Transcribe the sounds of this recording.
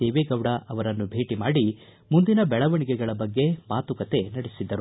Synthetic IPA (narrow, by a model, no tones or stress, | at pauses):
eːʋeːɡɐwɽɐʔɐʋɐɾɐnːubʱe̞ːʈimaːɽi | mund̪inɐbɛɭɐʋɐɳiɡɛɡɐɭɐbɐɡːe̞maːt̪ukɐt̪e̞nɐɽesid̪ːɐɾu